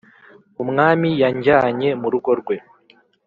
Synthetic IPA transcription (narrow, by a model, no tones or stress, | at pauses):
umŋaːmijaɲɟaɲe̞muɾuɡo̞ɾɡwe̞